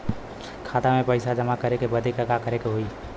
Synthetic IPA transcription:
kʰat̪amepəɪsad͡ʒəmakəɾekebəd̪ʱekəɡakəɾekeɦoi

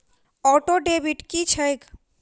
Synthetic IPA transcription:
ɔʈoɖebiʈkit͡ʃʰəjk

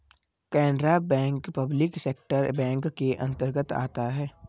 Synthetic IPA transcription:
kɛːnɖɾabɛ̃ːŋkpɐblɪkseːkʈəɾbɛ̃ːŋkːeʔɐ̰̃nt̪əɾɡət̪a̰ːt̪aɦɛː

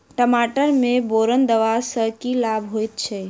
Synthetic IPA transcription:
ʈəmaʈəɾmeboɾənd̪əʋasəkilabʱɦojt̪̚t͡ʃʰɛ

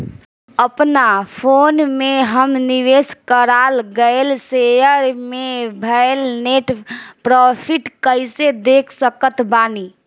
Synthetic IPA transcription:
əpnapʰoːnmeɦəmniʋeskəɾalɡəelsejəɾmebʱəelneʈpɾɔpʰiʈkəɪsed̪ekʰsəkət̪ʰbaːni

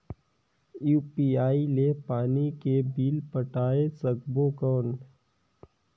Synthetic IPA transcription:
juːpiːaːilepaːnikebiːlpəʈaːesɐɡ̚boːkɔːn

